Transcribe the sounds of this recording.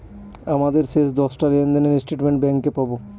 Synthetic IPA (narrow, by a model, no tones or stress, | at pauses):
amad̪eɾʃeʃd̪ɔsʈaɾend̪eneɾisʈeʈmeɳʈbɛŋkepabo